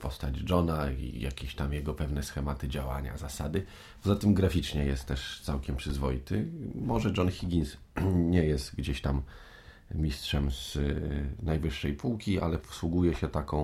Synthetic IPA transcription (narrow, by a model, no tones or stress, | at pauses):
pɔst̪ad͡ʑd͡ʐɔnaḭja̰kʲeɕt̪amjɛɡɔpɛvn̪ɛsxɛmat̪ɘd͡ʑawa̰ɲa̰zasad̪ɘ | pɔzat̪ɘmɡɾafʲit͡ʂɲɛjɛst̪t̪ːɛʂt̪sawkʲɛmpʂɘzvɔjit̪ɘmɔʐɛd͡ʐɔnxʲiɡʲins | ɲɛjɛst̪ɡd͡ʑeɕt̪am | mʲistʂɛmz̥ | najvɘʂːɛjpuwkʲia̰lɛpɔ̥swuɡujɛɕɛt̪akɔ̃w̃